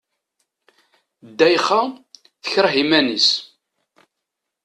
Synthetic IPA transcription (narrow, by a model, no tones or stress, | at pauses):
d̪ːæjχa | θəçɾˤɦimænis